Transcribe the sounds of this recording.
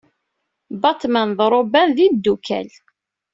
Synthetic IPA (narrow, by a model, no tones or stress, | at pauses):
bɑt̪mænðˤɾˤobænðid̪ːukæ̰l